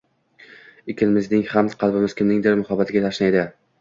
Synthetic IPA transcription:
ɪkʲʰɪnmɪznɪŋhamqʰɑlˠbɪmɪz̥kʲʰɪmnɪŋd̪ɪɾmʊhabat̪ʰɪɡʲat̪ʰaʃnajd̪ɪ

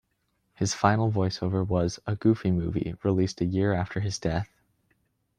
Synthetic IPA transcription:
hɨz̥fãɪ̃nl̩ˠvɔɪsoʊvə˞wʌzəɡ̥ʉfimuvḭɹilistɨjɪɹæftʰə˞ɨzdɛθ

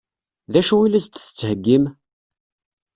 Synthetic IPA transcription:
ðæʃuwilæst̪θə̥t͡sːhəɡːim

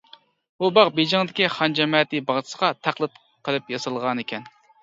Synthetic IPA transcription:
bubɑqbed͡ʒɪŋd̪ɪkʲiχɑnd͡ʒɛmɑːt̪ɨbɑʁt͡ʃ̪ʰɨ̥sə̥ʁɑt̪ʰæqlˠɨt̪̚ | qʰəlˠɨpjɑsɨlˠʁɑnekʲʰɛn

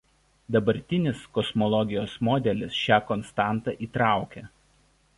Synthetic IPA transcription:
d̪ɐbɐɾʲt̪ʲɪnʲɪskɔsmɔlˠɔɡʲɪjoːsmɔːd̪ʲɛlʲɪsʃʲæːkɔnst̪ɑˑnt̪ɑ̰ˑʔiːt̪ɾɑˑʊkʲɛ

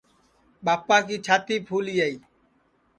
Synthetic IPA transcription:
ɓaːpːaːkiːt͡ʃʰaːt̪iːpʰuːlijaiː

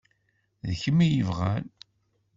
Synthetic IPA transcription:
ðəçəmːijəvʁæl

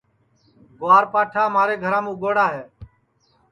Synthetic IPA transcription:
ɡʊʋaːɾpaːʈʰaːmaːɾeːɡʱəɾãːmũːɡoːɽaːɦeː

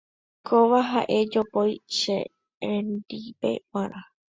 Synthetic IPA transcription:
kʰoʋaɦaʔe̞d͡ʒopojʃḛ | ẽnd̪ipe̞̰waɾʔa

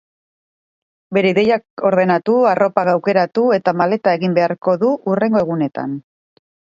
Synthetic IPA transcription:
be̞ɾe̞iðe̞jako̞ɾðe̞nat̪uaro̞paɣawke̞ɾat̪ue̞t̪amale̞t̪ae̞ɣimbe̞aɾko̞ðuʔure̞ŋɡoe̞ɣune̞t̪a̰n

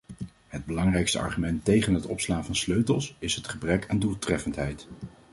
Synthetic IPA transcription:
ɦəd̚bəlɑŋrɛjkstə̰ɑ̰ɹχymɛntejχənɦətɔpslaːnvɑnsløɥtəlˠsɪsɦətχəbrɛkaːndulˠtrɛfəntɦɛjt

